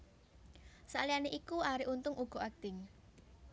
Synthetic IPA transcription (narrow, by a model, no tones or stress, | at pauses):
salianeʔikuaɾiʔunt̪ʊŋʔuɡ̥ɔ̤ʔak̚d̪̥ɪŋ